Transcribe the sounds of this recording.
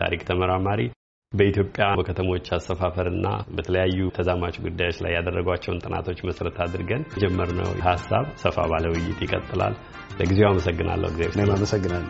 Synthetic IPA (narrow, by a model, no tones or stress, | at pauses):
t̪ʰa̰ɾikʼt̪ʰəməɾamaɾi | bəit̪ʰjopʼːjabəkʰət̪ʰəmo̞t͡ʃːasəfafəɾɨnːa̰bət̪ʰələjajːut̪ʰəzamat͡ʃɡud̪ːajo̞t͡ʃːla̰jːad̪ərːəɡwat͡ʃːɛwnt̪ʼɨna̰t̪ʰo̞t͡ʃːməsɾət̪ʰad̪ɨɾɡənd͡ʒɛmːəɾnə̰wɦasːa̰βsəfa̰βaləwɪjːɪ̰t̪jɪkʼə̰t̪ʼːɨla̰lː | əɡizewaməsəɡːɨna̰lːə̰wɡizḛəmaməsəɡːɨnalː